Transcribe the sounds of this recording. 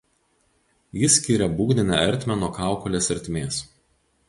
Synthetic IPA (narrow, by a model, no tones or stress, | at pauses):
jɪsʲkʲiɾʲɛbuːɡd̪ʲɪnʲæɛɾʲt̪ʲmʲɛnoːkɑˑʊkɔlʲeːsɐɾʲt̪ʲmʲeːs